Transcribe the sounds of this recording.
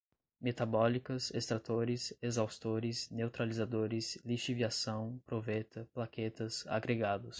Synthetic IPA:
met̪abɔlikɐsest̪ɾat̪oɾɪsezawst̪oɾɪsnewt̪ɾalizad̪oɾɪsliʃiviasɐ̃w̃pɾovɛt̪ɐplaket̪ɐsa̰ɡɾeɡad̪ʊs

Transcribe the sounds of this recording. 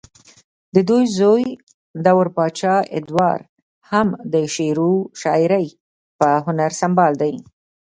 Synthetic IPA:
d̪əd̪ujzoj | d̪awɾpɑt͡ʃɑɪ̰d̪wɑ̰ɾ | hamd̪əʃeɾuʃɑɪɾəj | pəɦʊnaɾsambɑld̪aj

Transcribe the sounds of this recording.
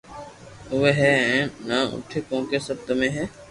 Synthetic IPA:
ʊʋeːɦɛːɛ̃ːnãːʔʊ̰ʈʰeːkõːkeːsəb̚t̪mẽːɦɛː

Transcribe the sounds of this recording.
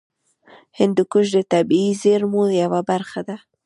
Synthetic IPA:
hɪnd̪ukʊʃd̪ət̪abiizeɾmujawabaɾxad̪a

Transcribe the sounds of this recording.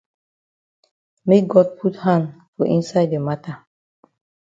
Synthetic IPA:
mek̚ɡɔd̚pʰuthãndfɔʔĩnsaɪdəmatʰa

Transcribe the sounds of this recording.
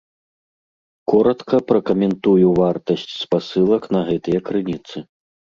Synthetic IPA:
kɔɾɐt̪kɐpɾɐkɐmʲɛnt̪ujuvart̪ɐsʲt͡sʲspasɨlˠɐkn̪ɐɣɛt̪ɐjɐkɾɨnʲit̪sɨ

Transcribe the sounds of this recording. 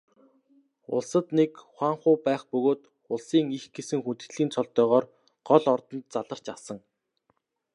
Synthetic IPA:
ʊ̰ɮsə̆t̪nekχwaːɴχʊːpæːχpɵɣoːt̪ | ʊɮsiːŋixɡesɘ̆ŋxunt̪ɘ̆t̪ɮiːnt͡sʰɔɮt̪œːʁɔːr | ɢ̥ɔɮɔrt̪ɞ̆nt̪̚t͡saɮə̆r̥t͡ɕasə̆ŋ

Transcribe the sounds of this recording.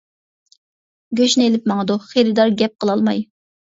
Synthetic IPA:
ɡʲøʃnɪelɪpmɑŋəd̪uχeɾɪd̪ɑɾɡʲɛp̚qəlˠɑlˠmɑj

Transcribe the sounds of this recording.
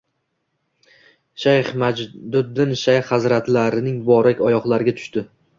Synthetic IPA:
ʃajχmad̪ʊd̪ːɪnʃajχhazɾat̪laɾɪnɪŋbɒɾakʲɒjɒqlˠaɾɪɡʲat̪ʰʊ̥ʃt̪ɪ

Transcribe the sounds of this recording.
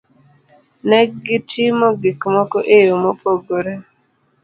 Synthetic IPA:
nɛɡitʰimɔɡikmɔkɔʔejomopoɡoɾe

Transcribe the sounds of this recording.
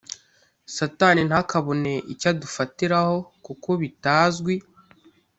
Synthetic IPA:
sataːnin̥hakaβone̞ʔicadufatiɾaho̞kukoβitaːzɡwi

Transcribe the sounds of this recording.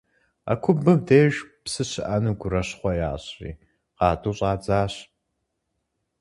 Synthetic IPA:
a̰kʷʰʊbɨmdeːʒpsɨɕɪʔanɨɡʷʊɾɐɕχʷɔja̰ːɕrḭː | qɑːtʼuːɕʼɑːd͡zaːɕ

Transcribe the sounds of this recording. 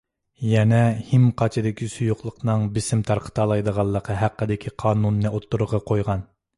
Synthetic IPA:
jɛnɛhimqʰɑt͡ʃʰɪd̪ɪkʲʰisujuqlˠəqnɨŋbɪsɪmt̪ʰɑɾqʰə̥t̪ʰɑlˠɑjd̪əʁɑlˠːəqʰəɦæqːəd̪ɪkʲʰiqʰɑːnunːɨot̪ʰːuɾʊʁɑqʰojʁɑn

